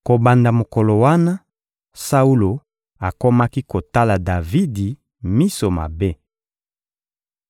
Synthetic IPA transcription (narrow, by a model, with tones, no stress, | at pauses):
ko˨ba˨nda˨mo˨ko˨lo˨wa˦na˦ | sa˦u˦lo˨ | a˨ko˦ma˦ki˦ko˨ta˦la˨da˨vi˦di˨ | mi˦so˨ma̰˨be˦